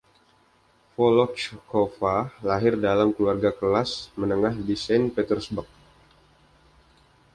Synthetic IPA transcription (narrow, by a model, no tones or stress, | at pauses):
fɔlɔt͡ʃkofalaɦɪrdalamkəluarɡakəlasmənəŋahdisɛnpet̪ərsbərk̚